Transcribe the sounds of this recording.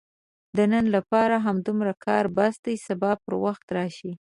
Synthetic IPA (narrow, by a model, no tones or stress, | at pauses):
d̪ənənlapɑɾaɦamd̪umɾakʰɑɾbasd̪ajsabɑpəɾwaxt̪ɾɑʃi